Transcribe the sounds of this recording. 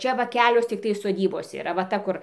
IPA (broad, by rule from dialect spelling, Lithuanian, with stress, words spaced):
ˈt͡ʃʲɛ ʋɐ ˈkʲæːlʲoːs tʲɪkˈtɐɪ soːˈdʲiːboːs iːˈrɐ ʋɐ ˈtɐ ˈkʊr